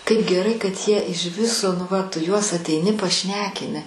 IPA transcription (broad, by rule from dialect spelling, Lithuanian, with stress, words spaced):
kɐɪp ɡʲɛˈrɐɪ kɐt ˈjiɛ ɪʃ ˈʋʲɪsoː nʊ ˈʋɐ ˈtʊ ˈjuɔs ɐtʲɛɪˈnʲɪ pɐˈʃʲnʲæːkʲɪnʲɪ